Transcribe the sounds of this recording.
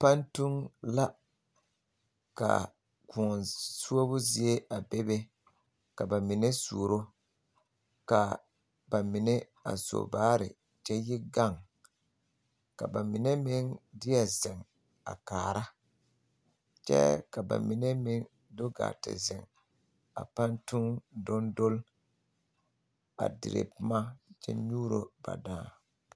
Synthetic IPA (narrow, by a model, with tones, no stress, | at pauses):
pa˦ntu˦ŋla˦ | ka̰˨ | kʊ˨nsu˦o˦bʊ˦zi˦e˦ʔa˨be˦be˦ | ka˨ba˨mɪ˨ne˦sṵ˨ɾo˦ | ka˨ | ba˨mɪ˨ne˦ | a̰˨so̰˨baː˦ɾɪ̰˨ | t͡ʃɛ˦jɪ˦ɡa˦˨ŋ | ka˨ba˨mɪ˨nɛ˦mɪ˦ŋdɪ˦a˨zɪ˨ŋ | a̰˨kaː˨ɾa˦ | t͡ʃɛ̰˦ka˨ba̰˨mɪ˨ne˦mɪ˦ŋ | do˦ɡa̰ː˨tɪ̰˨zɪ˨ŋ | a̰˨pa˦ntu˦ŋdʊ˦ndo˦l | a̰˨dɪ̰˨ɾḛ˨pʊ˦ma˦t͡ʃɛ̰˦ɲuː˦ɾo˦ba̰˨daː˦